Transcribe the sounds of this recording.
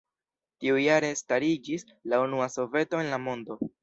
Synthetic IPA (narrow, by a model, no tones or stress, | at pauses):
tiujaɾe̞staɾid͡ʒis | launuaso̞ve̞to̞e̞nlamo̞ndo̞